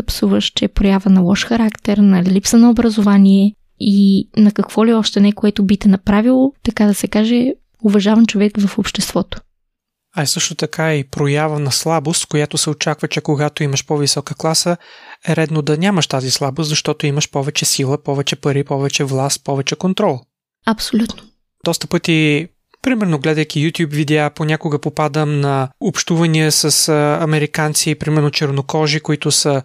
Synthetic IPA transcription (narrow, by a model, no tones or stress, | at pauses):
əpsuvəʃt͡ʃɛːpɾojavənɐlˠɔʃxɐɾakt̪ɛɾnɐlipsənɐobɾɐzovaniɛ | inɐkɐkvɔliɔʃt̪ɛnɛkoɛt̪obit̪ɛnɐpɾavilˠot̪ɐkad̪ɐsɛkaʒɛ | ovɐʒavɐnt͡ʃovɛkvɐfopʃt̪ɛst̪vɔt̪o̥ | ɐisɤʃt̪ot̪ɐkʰaipɾojavənɐslˠabost̪kojat̪osɛot͡ʃakvət͡ʃɛkoɡat̪oiməʃpovisɔkəklˠasəɛɾɛd̪nod̪ɐnʲaməʃt̪azislˠabost̪zɐʃt̪ɔt̪oiməʃpɔvɛt͡ʃɛsilˠəpɔvɛt͡ʃɛpɐɾipɔvɛt͡ʃɛvlˠast̪̚pɔvɛt͡ʃɛkont̪ɾɔlˠ | ɐpsolʲut̪no̥ | d̪̥ɔst̪əpɤt̪i | pɾimɛɾnoɡlɛd̪əjkijut̪ʲjubvid̪ɛaponʲakoɡəpopad̪əmnɐopʃt̪uvɐniəsɐsɐmɛɾikant̪siːpɾimɛɾnot͡ʃɛɾnokɔʒikoit̪ʊsə